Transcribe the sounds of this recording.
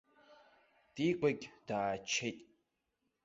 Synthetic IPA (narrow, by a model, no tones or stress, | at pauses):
d̥iɡʷʼaɡʲd̥aːt͡ʃʰejtʼ